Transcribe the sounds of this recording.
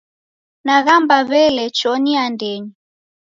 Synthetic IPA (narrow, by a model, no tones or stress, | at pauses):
naɣambaβɛlɛt͡ʃɔniandɛɲi